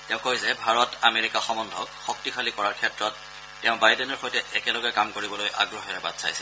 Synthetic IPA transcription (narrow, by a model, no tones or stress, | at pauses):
tɛʊ̃kojzɛbʱaɹɔtameɹikaxɔmɔndʱɔkxɔk̚tixʰalikɔɹaɹkʰɛtɹɔtː | ɛʊ̃bajdɛnɔɹxɔjtɛʔɛkɛlɔɡɛkamkoɹibɔlojʔa̰ɡɹɔxɛɹɛba̰dsa̰jsɛ̥